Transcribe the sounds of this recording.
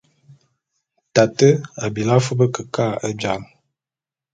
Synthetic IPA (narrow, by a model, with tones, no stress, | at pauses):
ta˨tə˦a˨bi˨la˦fə˦bə˦kə˨ka˦˨ə˦d͡ʒa˨m